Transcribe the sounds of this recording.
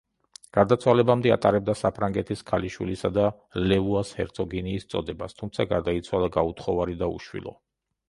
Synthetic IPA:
ɡ̥aɾd̪at̪sʰwalɛbamd̪ɛa̰t̪ʼaɾɛb̚d̪asapʰɾaŋɡɛt̪ʰiskʰaliʃwilisad̪a | lɛuashɛ̰ɾt̪sʰʼɔɡɛniːst̪sʼɔ̰d̪ɛbast̪ʰumt̪sʰaɡaɾd̪ait̪sʰwalˠaɡaut̪ʰχɔvaɾid̪aṵʃwḭlˠɔ̰

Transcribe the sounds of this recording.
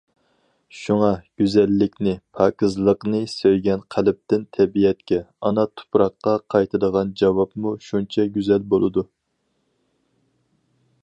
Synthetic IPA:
ʃuŋɑɡ̥ʲyzɛlːɪkʲnɪpʰɑːkɨzlˠəqnɨsøjɡʲɛnqʰælɪp̚t̪ɪnt̪ʰɛbijɛt̪kʲɛɑnɑt̪ʰu̥pɾɑqːɑqʰɑjt̪ʰɨd̪əʁɑnd͡ʒɑwɑpmuʃunt͡ʃʰɛɡʲyzɛlbolˠɨd̪u

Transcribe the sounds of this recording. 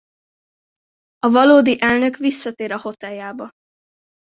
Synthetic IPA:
ɒvɒloːd̪iʔɛlnø̞kʋisːɒt̪eːɾɒho̞t̪ɛljaːbɒ

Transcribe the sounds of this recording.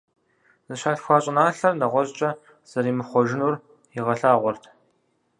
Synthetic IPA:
zɨʃaːɬxʷaːɕʼɪnaːɬɐrnɐʁʷɔʑʼt͡ʃʼɐ | z̥ɐɾiːmɨχʷɔʒɪnur | ɪʁɐɬaːʁʷɔrtʰ

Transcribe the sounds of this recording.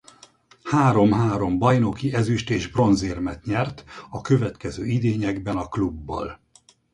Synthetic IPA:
haːɾo̞mɦaːɾo̞mbɒjno̞kiɛzyʃt̪eːʒbro̞nzeːrmɛt̪ɲɛrt̪ɒkø̞vɛt̪kɛzøːid̪eːɲɛɡbɛnɒklubːɒ̰l

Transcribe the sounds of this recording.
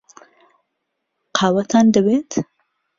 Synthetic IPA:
qʰɑwat̪ʰɑnd̪əwet̪

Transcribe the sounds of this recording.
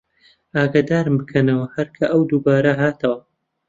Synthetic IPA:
aːɡaːd̪aːɾɨmbɨkʰɐnɐwɐhɐɾkʰɐʔɐwd̪ubaːɾɐɦaːt̪ʰɐwɐ

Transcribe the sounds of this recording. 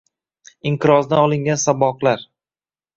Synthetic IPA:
ɪŋqʰɨɾɒznaɒlˠɪŋɡʲansabɒqlaɾ

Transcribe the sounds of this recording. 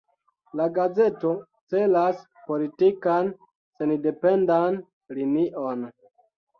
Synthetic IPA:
laɡaze̞to̞ | t͡se̞las | po̞litikan | senide̞pendan | liniʔon

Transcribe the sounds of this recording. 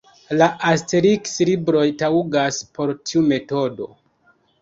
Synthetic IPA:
laʔasteɾikslibɾo̞jtauɡaspo̞ɾtʰiume̞to̞do̞

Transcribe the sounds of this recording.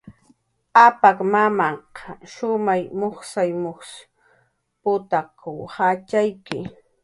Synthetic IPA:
apakmamaqɑʃʊmajmoχsajmoχ | pʊt̪akʊwhat͡ʃajkɪ̰

